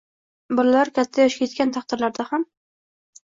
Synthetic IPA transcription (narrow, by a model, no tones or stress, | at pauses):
bɒlalaɾkʲʰat̪ʰːajɒʃkʲʰet̪̚kʲant̪ʰɑχt̪ɪɾlaɾd̪aham